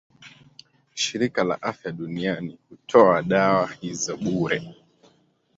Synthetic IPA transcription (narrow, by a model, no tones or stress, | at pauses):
ʃiɾikala̰ʔafjaɗunianihutʰɔaɗawahizɔɓuɾɛ